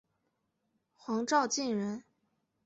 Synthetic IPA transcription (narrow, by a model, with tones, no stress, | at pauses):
xwɑ˧˥ŋʈ͡ʂɑ˥˧ʊt͡ɕi˥˩nɻə˧˥n